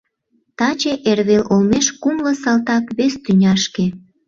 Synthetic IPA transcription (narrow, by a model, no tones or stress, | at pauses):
t̪ɑt͡ɕeʔerβelolmeʃkumlɤsɑlt̪ɑkβest̪ynʲɑʃke